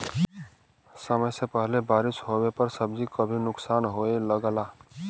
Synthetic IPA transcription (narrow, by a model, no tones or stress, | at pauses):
səməjsepəɦlebaːɾɪsɦowepəɾsəbd͡ʒikəbʱinʊksaːnɦoeləɡəlaː